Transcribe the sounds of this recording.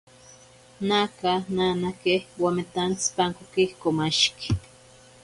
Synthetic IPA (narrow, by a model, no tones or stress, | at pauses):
nakananakehwamet̪ant͡spaŋkokihkomaʃke̥